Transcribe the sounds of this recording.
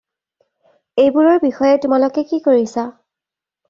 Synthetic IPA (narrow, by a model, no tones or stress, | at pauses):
ejbuɹɔɹbixɔjɛtʊmalokɛkikoɹisa